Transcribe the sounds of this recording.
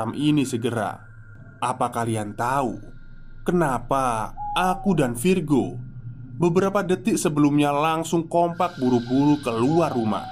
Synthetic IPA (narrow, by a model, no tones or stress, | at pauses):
amʔinisəɡəɾa̰ | apakaliant̪aṵ | kənapaakudanfirɡo | bəbəɾapadət̪ɪksəbəlumɲalaŋsʊŋkompak̚buɾubuɾukəluarːuma̰h